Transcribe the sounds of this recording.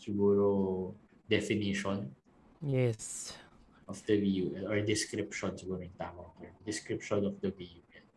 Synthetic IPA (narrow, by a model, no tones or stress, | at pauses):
sɪɡuːɾo | d̪ɛfɪniʃɔn | jɛs | ʔɔfd̪ɐviuʔɛɔɹd̪ɪskɾɪpʃɔnsɪɡuːɾʊɪŋt̪aːkɔɔd̪ɪskɾɪpʃɔnɔfd̪ɐviuʔɛn